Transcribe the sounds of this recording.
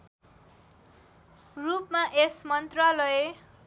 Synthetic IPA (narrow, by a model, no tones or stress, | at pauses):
rupmaʔesmʌnt̪ralʌe